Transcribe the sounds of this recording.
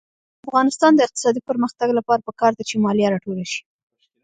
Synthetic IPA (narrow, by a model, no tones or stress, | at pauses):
afɣɑnɪst̪ɑnd̪əɪq̚t̪ɪ̥sɑd̪ipəɾməxt̪aɡlapɑɾapəkɑɾd̪at͡ʃemɑljaɾɑʈolaʃi̥